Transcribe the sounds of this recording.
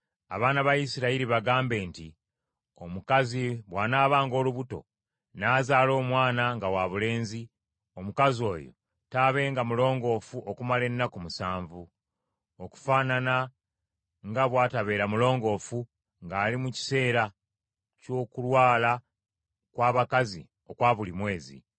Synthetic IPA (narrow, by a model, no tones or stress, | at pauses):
a̰βaːnaβajisiɾaiɾiβaɡaːmbe̞ːnti | omukaziβwaːnaːβaːŋɡo̞ːluβuto̞̰ | naːzaːlo̞ːmwaːnaŋɡawaβule̞ːnzi | o̞mukazio̞̰ːjo̞̰ | taːβe̞ːŋɡamulo̞ːŋɡo̞ːfuʔokumale̞nːakumusaːɱvu | oku̥faːnana | ŋɡaβwaːtaβe̞ːɾamulo̞ːŋɡo̞fu | ŋɡaːlimuci̥se̞ːɾa | co̞kulwaːla | kwaːβakazḭ | o̞kwaːβulimwe̞ːzḭ